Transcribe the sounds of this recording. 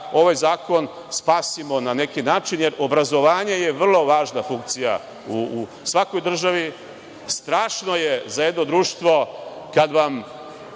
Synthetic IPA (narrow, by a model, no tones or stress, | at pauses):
o̞ʋajzaːko̞n | spaːsimo̞nane̞kinaːt͡ʃinjeɾʔo̞bɾazo̞ʋaːɲeje̞ʋr̩lˠo̞ʋaːʒnafuŋk̚t̪sija̰ | u | sʋako̞jd̪r̩ʒaʋi | st̪ɾaːʃno̞jezajed̪no̞d̪ɾuːʃt̪ʋo̞kad̪ʋam